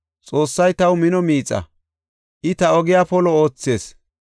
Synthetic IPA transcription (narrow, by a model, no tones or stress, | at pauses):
t͡sʼo̞ːsːɐjt̪ɐwmɪnɔmiːt͡sʼːɐ̰ | ʔɪt̪ɐɔɡɪjaːpɔlɔoːt͡sːe̞ːs